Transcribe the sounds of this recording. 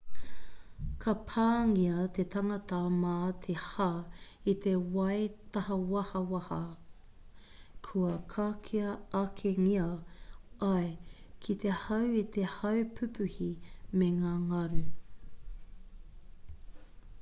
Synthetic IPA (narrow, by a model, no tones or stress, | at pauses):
kʰɐpʰaːŋiɐt̪et̪ʰɐŋɐt̪ɐmaːt̪ʰeha | it̪e̞wɐjt̪ɐɦɐwɐhɐwɐhɐ | kʰuɐkʰakʰiɐɐkʰeŋiɐ | ɐekʰit̪e̞hɐwit̪ehɐwpʰʉpʉhimeŋaːŋɐɾʉ